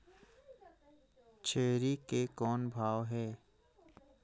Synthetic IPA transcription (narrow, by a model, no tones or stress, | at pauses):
t͡ʃʰeːɾikekɔːnbʱaːʋɦɛː